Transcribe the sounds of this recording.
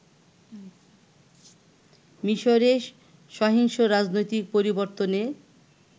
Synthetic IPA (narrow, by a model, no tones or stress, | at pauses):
miʃoɾe | ʃɔɦiŋʃoɾad͡ʑnojt̪ik̚poɾiboɾt̪one